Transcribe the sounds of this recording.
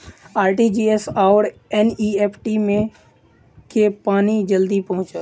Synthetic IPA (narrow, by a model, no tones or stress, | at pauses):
aːɾʈid͡ʒiːesaːʊɾeniːeːpʰʈimẽ | kʰepaːnid͡ʒəld̪ipɐɦʊ̃t͡ʃə